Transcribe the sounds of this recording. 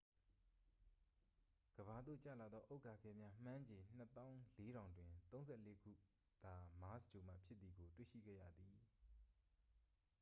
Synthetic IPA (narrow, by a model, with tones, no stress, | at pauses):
ɡ̥əba˨d̪o̰˦˨t͡ɕä̰˦˨la˨d̪ɔ˦ʔo˦ʊʔkːa˨ɡɛ˦˨mja˦m̥ã˦ɲd͡ʑẽ˨n̥ə˦t̪ã˦ʊ̃le˦ɾã˨ʊ̃ndwɪ̃˨t̪õ˦ʊ̃zɛ˦˨le˦ɡṵ˦˨ | d̪̥a˨ma˨˦sd͡ʑo˨m̥a̰˦˨pʰjɪ˦t̪ːi˨ɡo˨twḛ˦˨ʃḭ˦˨ɡɛ̰˦˨ja̰˦˨d̪ði˨